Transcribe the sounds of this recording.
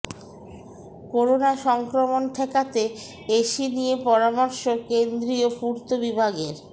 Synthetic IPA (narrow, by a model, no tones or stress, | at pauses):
koɾonaʃɔŋkɾomonʈʰɛkat̪e | eʃinijepɔɾamɔɾʃokend̪ɾiopuɾt̪obibʱaɡeɾ